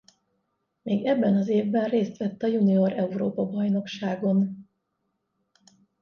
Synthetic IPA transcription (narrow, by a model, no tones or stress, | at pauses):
meːɡɛbːɛnɒzeːvbɛnreːst̪ʋɛt̪ːɒjunio̞ɾɛuɾoːpɒbɒjno̞kʃaːɡo̞n